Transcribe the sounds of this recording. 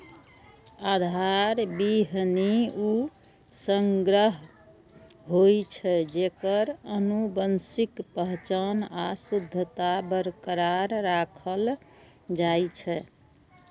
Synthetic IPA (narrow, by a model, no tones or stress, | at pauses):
ad̪ʱaɾbiɦniu | səŋɡɾəɦ | ɦojt͡ʃʰɛd͡ʒekəɾənubənsikpəɦt͡ʃənasud̪ʱːət̪abəɾkɾaɾːakʰəl | d͡ʒajt͡ʃʰɛ